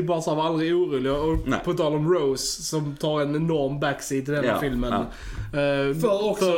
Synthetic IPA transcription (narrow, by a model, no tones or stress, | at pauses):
bɑːsaːvald̪ɾɪuːɾuːlɪɡaɔpʰɔt̪ʰɑːlɔmɾoʊssɔmt̪ʰɑːɾɛnɛnɔɾmbæksɪt̪ʰːɪld̪ɛnːafɪlmən | fɾɔkf